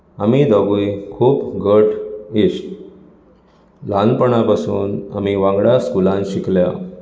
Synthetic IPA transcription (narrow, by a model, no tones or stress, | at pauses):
amid̪aɡujkʰuːpɡʱəʈʰisʈ | lanpəɳapasuːna̰miʋãŋɡɽjaskulãnɕiklja